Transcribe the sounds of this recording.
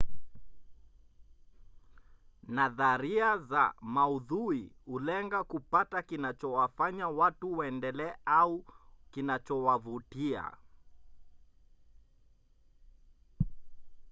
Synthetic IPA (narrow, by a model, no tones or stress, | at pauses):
naðaɾiaza̰mauðuihulɛŋɡakupatakinat͡ʃɔwafaɲawatuwaɛndɛlɛaukinat͡ʃɔwavutia̰